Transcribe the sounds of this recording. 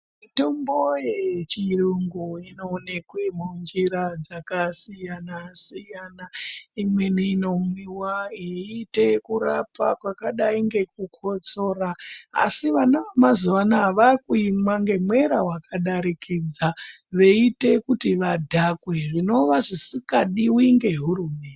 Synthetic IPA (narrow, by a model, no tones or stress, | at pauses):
mito̞mbo̞jet͡ʃiruŋɡuino̞ːne̞kwemund͡ʒiɾad͡zakasijanasijanaimwe̞niino̞mwiwaeite̞kuɾapa̰kwakaɗaiŋɡe̞k̚ukʰo̞t͡so̞raa̰siʋanamazuʋanaaʋakuimwaŋɡe̞mwe̞ɾawakaɗaɾikʰid͡za | ʋe̞ite̞kutiʋadʱakwe̞ʐino̞ʋaʐisikaɗiwiiŋɡe̞ɦuɾumeːn